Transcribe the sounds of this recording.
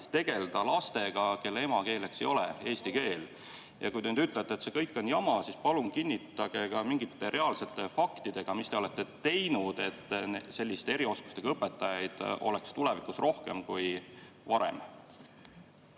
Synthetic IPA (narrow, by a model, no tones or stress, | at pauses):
t̪e̞ɡ̥e̞ld̪̥ɑlɑst̪e̞ɡ̥ɑke̞lːee̞mɑke̞ːle̞kse̞̰jo̞lee̞ːst̪ike̞ːl | jɑ̰kujd̪enyd̪yt̪ːˑlet̪ːˑet̪sekɤjkːˑo̞njɑmɑsispɑluŋkinʲːit̪ːˑɑɡ̥e̞kɑmiŋɡit̪ːˑe̞ɾʔe̞ɑlse̞t̪ːˑe̞fɑkt̪id̪̥e̞ɡ̥ɑmist̪eo̞le̞t̪ˑːe̞t̪e̞jnud̪̥e̞t̪ːse̞lːist̪ee̞ɾio̞sku̥st̪e̞ɡ̥ɑɤpːˑe̞t̪ːˑɑjɑjd̪̥o̞̰lekst̪ule̞vikusrʔo̞hke̞̰mkuj | vɑɾḛm